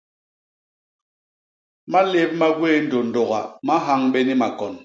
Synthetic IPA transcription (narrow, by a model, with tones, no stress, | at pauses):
ma˦le˦p̚ma˦ɡweː˦n̩˦do˨n̩˨do˨ɣa̰˨ma˦ɦa˦ŋɓe˦ni˦ma˨kɔ˨n